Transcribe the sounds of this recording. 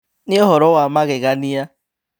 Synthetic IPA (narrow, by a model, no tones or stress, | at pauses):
nɪɔɦɔɾɔwamaɣɪɣanija